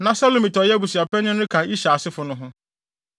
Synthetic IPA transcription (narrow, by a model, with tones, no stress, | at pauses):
nã˨sa˦lo˨mĩ˨tɔ˨jɛ˦bu˨si˨a˨pɛ˦nʊ̃˦nʊ̃˦kʰã˨i˦ɕa˨sɪ˦fʊ˨nʊ̃˦ɦʊ̃˦